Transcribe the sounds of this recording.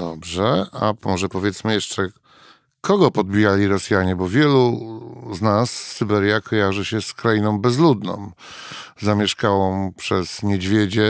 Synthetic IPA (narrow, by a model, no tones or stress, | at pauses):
d̪ɔbʐɛamɔʐɛpɔvʲjɛt̪smɘjɛʂt͡ʂɛ | kʰɔɡɔpɔd̪̚bʲijalʲiɾɔsʲjaɲɛbɔvʲjɛluznasːɘbɛɾjakɔjaʐɘɕɛskɾajinɔ̃w̃bɛzlud̪nɔ̰̃m | zamʲjɛʂkawɔmpʂɛzɲɛd͡ʑvʲjed͡ʑɛ